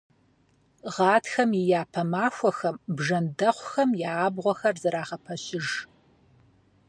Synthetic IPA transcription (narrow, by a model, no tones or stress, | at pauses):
ʁɑːtʰxɐmɪjaːpʰɐmaːxʷɔxɐmbʒɐndɐχʷxɐmjaːbʁʷɔxɐrzɨɾaːʁɐpʰɐɕɪʒ